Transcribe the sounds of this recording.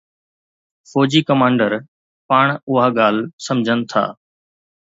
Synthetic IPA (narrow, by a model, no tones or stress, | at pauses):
fɔːd͡ʑiːkɐmãːɳɖəɾ | paːɳ̃ʊɦaːɠaːl̤sɐmd͡ʒʱənɪ̆t̪ʰa̰ː